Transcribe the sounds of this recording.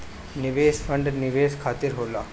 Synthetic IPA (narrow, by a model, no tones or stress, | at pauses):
niʋeːsfəɳɖniʋeːskʰaːt̪iɾɦola